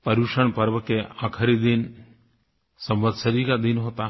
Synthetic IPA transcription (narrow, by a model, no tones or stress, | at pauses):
pɐɾuʃəɳpəɾʋəkeakʰəɾid̪in | sɐmbəd̪səɾiːkad̪inɦot̪a